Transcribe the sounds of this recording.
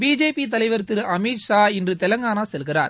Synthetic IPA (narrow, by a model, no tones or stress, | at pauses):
biːd͡ʒeːpːit̪ɐlɐɪʋɐɾt̪ːɪɾɐmiːʈʂaːɪndrɯt̪ɛlɐŋɡaːnaːsɛlɣɪraːɾ